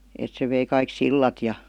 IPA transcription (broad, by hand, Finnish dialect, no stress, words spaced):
et se ʋei kɑik silːɑt jɑ